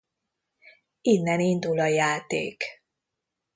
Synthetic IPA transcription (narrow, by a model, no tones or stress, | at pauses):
inːɛnind̪ulɒjaːt̪ḛːk